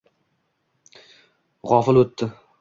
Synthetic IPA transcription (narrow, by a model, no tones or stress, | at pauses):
ʁɒfɪlɵt̪ʰːɪ